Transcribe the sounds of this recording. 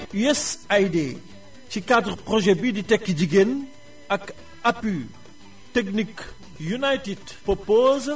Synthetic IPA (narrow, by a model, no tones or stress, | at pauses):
yɛsajd̪e | t͡ʃikad̪ʁpʁɔʒɛbid̪it̪ɛkd̪iɡen | ak | apy | t̪ɛknik | junajt̪id̪ | pɔpoz